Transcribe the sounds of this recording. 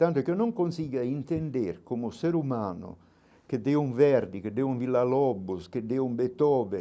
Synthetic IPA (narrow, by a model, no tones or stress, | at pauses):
t̪ant̪okenːoŋkonsiːɡaint̪end̪eɾkomuseɾumaːnʊ̰ | ked̪eːuŋvɛrd̪iked̪ːeuɱvilːalɔbːosked̪ːeumbet̪ɔːbe